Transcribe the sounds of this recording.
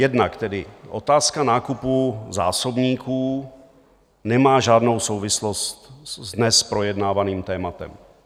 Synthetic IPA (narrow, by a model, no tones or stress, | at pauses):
jɛdnakt̪ɛdɪʔo̞̰t̪aːskanaːkupuza̰ːso̞bɲiːkuː | nɛmaːʒaːdno̞wso̞wvɪslost̪zdnɛspɾo̞jɛdnaːvaniːmt̪ɛːmat̪ɛ̰m